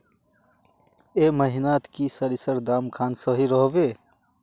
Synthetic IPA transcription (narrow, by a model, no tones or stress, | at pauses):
eməɦinat̪kisəɾisəɾd̪aːmkʰaːnsəɦiɾəɦbe